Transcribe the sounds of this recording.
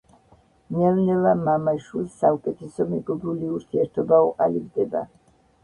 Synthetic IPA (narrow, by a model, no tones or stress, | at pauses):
nɛlnɛvamamaʃwilsːaukʼɛt̪ʰɛsɔmɛɡɔbuliuɾt̪ʰiɛɾt̪ʰɔbauqʼa̰libd̪ɛba̰